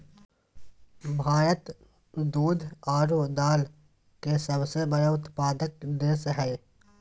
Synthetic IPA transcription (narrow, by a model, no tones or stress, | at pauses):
bʱaːɾət̪ | d̪uːd̪ʱaːɾod̪aːl | kesɐbsebəɾeʊt̪paːd̪ək̚d̪eːsɦɛː